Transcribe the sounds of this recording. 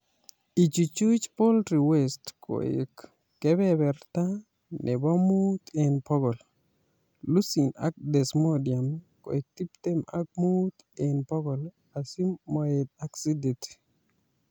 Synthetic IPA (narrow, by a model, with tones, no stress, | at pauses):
i˨t͡ʃu˨t͡ʃu˦t͡ʃpo˦ltɾi˨wɛstkʰo̰˨ɪ̰˨kː | ɛ˦bɛ˦bɛ˨rt̪a˦ | nʔɛ˨ba˦mu˦t̪e˨npɔ˦ɡɔ˨l | lu˦si˨na̰˦k̚d̪ɛ˨smodia˨m | ko̰˨e˨k̚t̪i˦p̚t̪e˦ma̰˦k̚mut̪ | enpɔ˦ɡɔ˨l | a˨si˦mːɔ˨e˨t̪a˦ksi˦de˨ti̥